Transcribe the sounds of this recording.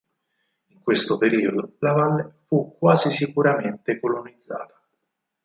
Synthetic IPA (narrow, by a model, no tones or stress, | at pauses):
iŋkwest̪opeɾiːod̪olavalːefukːwaːzisikuɾament̪ekolonid̪zːa̰ːt̪ḁ